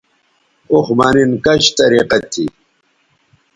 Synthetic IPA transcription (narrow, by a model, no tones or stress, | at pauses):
uxmaːninkɐɕt̪ɐɾiqɐt̪ʰi